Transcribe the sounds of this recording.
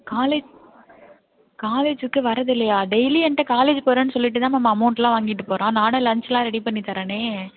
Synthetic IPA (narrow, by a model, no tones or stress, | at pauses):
kaːleːd͡ʒ | kaːleːd͡ʒɯkːɯʋɐɾɐðɪlːɐjaːɖɛjliɛɳʈːɐkaːleːd͡ʒpoːɾɐ̃ːnːɯsɔlːɪʈ̬ːɯt̪ãːmɐmaɐmɐʊɳʈlãːʋaːŋɡɪʈːɯpoːɾãːnãːnɯlɐɲt͡ʃɛlãːɾɛɽipɐɳːit̪ːaːɾɐ̃neː